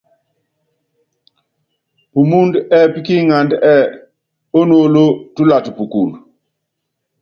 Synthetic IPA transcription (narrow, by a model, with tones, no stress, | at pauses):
pu˨mu˦ndɛ˦pi˦ki˦ŋa˨ndɛ˦˨ | o˦no˦lo˦tu˦la˨tpu˨ku˨l